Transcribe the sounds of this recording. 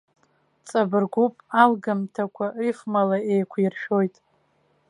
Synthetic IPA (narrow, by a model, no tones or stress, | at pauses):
t͡sʼabɨrɡʷupʼalɡamtʰakʷʰaifmalaejkʷʰirʃᶣo̞jtʼ